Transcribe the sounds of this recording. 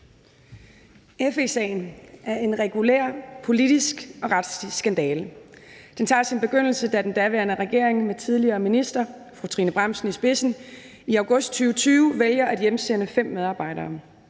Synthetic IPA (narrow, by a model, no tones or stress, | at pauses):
efesḛnʔæɐe̝nʁɛɡ̥ulḛɐ̰pʰo̝lid̥isɡ̥ɒ̽ʁad̥slisɡ̥ænd̥ɛːld̥ent͡sʰɑ̰̈ːsinb̥e̝ɡ̥øn̰l̩səd̥æd̥end̥æʋæɐnəʁɛɡ̥e̝ɐ̰e̝ŋmet͡sʰið̞ˠliɐːminisd̥ɐfʁut͡sʰʁḭːnəb̥ʁɑm̰sn̩isb̥e̝sn̩ | iɑ̈ʊɡ̥ɔ̽sd̥̚t͡sʰyːʊət͡sʰyːʊəʋeljɐʔæd̥jemsenəfem̰ːeð̞ˠɑ̈ːb̥ɑ̈ɪ̰ɾ̥ɐː